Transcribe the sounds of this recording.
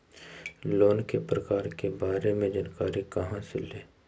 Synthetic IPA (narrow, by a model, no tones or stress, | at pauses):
loːnkepɾɐkaːɾkebaːɾemẽd͡ʒaːnkaːɾikɐɦãseleː